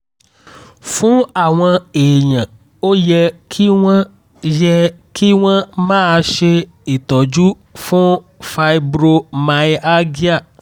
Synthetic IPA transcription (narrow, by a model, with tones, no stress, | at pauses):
fũ˦a˨w̃ɔ̃˧eː˨ɲã˨ | o˦jɛ˧kʰi˦w̃ã˦ | jɛ˧ki˦w̃ã˦mã˦˧ʃe˧ | i˨t̪ɔ˨d͡ʒu˦ | fũ˦ | fa˧jbɾo˦mã˨˦i˦a˦ɡi˦a˦˨